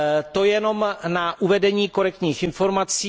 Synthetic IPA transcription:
t̪o̞jɛno̞mnaʔuvɛdɛɲiːko̞ɾɛk̚t̪ɲiːxɪnfo̞ɾmat͡siː

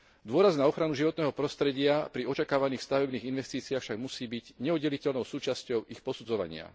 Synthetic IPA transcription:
d̪ʊɔɾaznaɔxɾanuʒiʋɔt̪nɛːɦɔpɾɔst̪ɾɛɟɪapɾiɔt͡ʃakaːʋaniːxst̪aʋɛbniːɣinʋɛst̪iːt͡siaxfʃaɡmusiːbiɟɲɛɔdɛlicɛlnɔʊsuːt͡ʃascɔʊixpɔsud͡zɔʋa̰ɲɪa̰

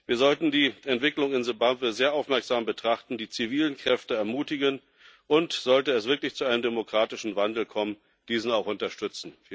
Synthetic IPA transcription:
viːɐzɔltn̩diːʔɛntv̥ɪklʊŋɪnzobaːvəzeːɐʔaʊfmɛɐkz̥aːmbətʁ̥aχtn̩diːt͡siviːlənkʁ̥ɛftəɛɐmuːtɪɡən | ʔʊntz̥ɔltəɛs̬v̥ɪɐklɪçt͡suaɪnəmdemokʁ̥aːtɪʃn̩vandl̩kʰɔmən | d̥iːzn̩aʊxʊntɐʃtʏt͡sn̩

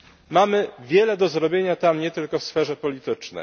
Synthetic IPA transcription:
mamɘvʲjɛlɛd̪ɔzɾɔbʲjeɲat̪amɲɛt̪ɘlkɔfsfɛʐɛpɔlʲit̪ɘt͡ʂnɛ̰j

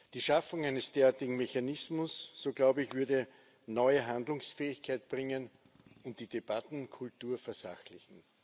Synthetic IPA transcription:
d̥iːʃafʊŋæɪnəsd̥eːɐaːɐtɪɡŋ̩meçanɪsmʊsːoːɡ̥laʊbəɪçvʏɐdə | nɔʏəɦandlʊŋsfɛːɪçkʰaɪt̚b̥ʁɪŋən | ʊntd̥iːdeb̥atn̩kʰʊltuːɐfɛɐsa̰xlɪçn̩

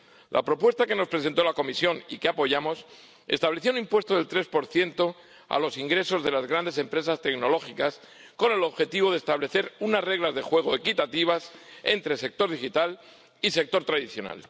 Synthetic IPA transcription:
lʔa̰pɾo̞pwe̞st̪ake̞no̞spɾe̞sent̪olako̞misjo̞nḭkeapo̞ʝamo̞s | e̞̰st̪aβle̞θjounimpwe̞st̪oðelt̪ɾe̞spo̞ɾθje̞nt̪o̞ | a̰lo̞siŋɡɾe̞so̞zðe̞lazɣɾand̪e̞se̞mpɾe̞sast̪e̞kno̞lo̞xikas | ko̞ne̞lo̞βxe̞t̪iβo̞ð̞est̪aβle̞θe̞ɾunazre̞ɣlazðe̞xwe̞ɣ̞o̞ekit̪at̪iβ̞ase̞̰nt̪ɾe̞se̞k̚t̪o̞ɾð̞ixit̪al | ise̞k̚t̪o̞ɾt̪ɾaðiθjo̞na̰l

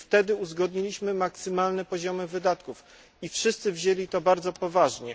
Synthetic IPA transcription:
ft̪ɛd̪ɘuzɡɔd̪ɲilʲiɕmɘmaksɘmalnɛpɔʑɔmɘvɘd̪at̪kuf | ifʂɘst̪sɘvʑelʲit̪ɔbaɾd̪zɔpɔvaʐɲɛ

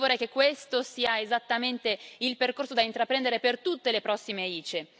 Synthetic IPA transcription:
voɾɛjkekːwest̪osiːaezat̪ːament̪eilperkorsod̪aint̪ɾapɾɛnd̪eɾepert̪ut̪ːelepɾɔsːimeiːt͡ʃe

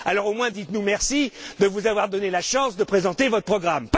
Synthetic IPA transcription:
alɔʁomwɛ̃d̪it̪numɛʁsid̪əvuzavwaʁd̪ɔnelaʃɑ̃sd̪əpχezɑ̃t̪evɔt̪χəpχɔɡʁamp

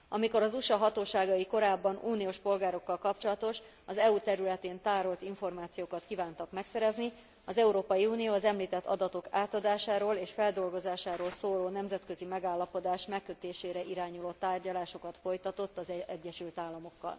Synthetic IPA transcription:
ɒmiko̞ɾɒzuʃɒɦɒt̪oːʃaːɡɒjiko̞ɾaːbːɒnuːnijoːʃpo̞lɡaːɾo̞kːɒlkɒpt͡ʃo̞lɒt̪o̞ʃ | ɒzɛut̪ɛɾylɛt̪eːnt̪aːɾo̞lt̪iɱfo̞rmaːt̪sijoːkɒt̪kiːvaːnt̪ɒkmɛksɛɾɛzni | ɒzɛuɾoːpɒjiuːnijoːɒzɛmliːt̪ɛt̪ːʰɒ̰d̪ɒt̪o̞kaːt̪ɒd̪aːʃaːɾoːleːʃfɛld̪o̞lɡo̞zaːʃaːɾoːlsoːloːnɛmzɛt̪kø̞zimɛɡaːlːɒpo̞d̪aːʃmɛkːø̞t̪eːʃeːɾɛʔiɾaːɲuloːt̪aːrɟɒlaːʃo̞kɒt̪fo̞jt̪ɒt̪o̞t̪ːɒzɛɛɟːɛʃylt̪aːlːɒmo̞kːɒ̰l

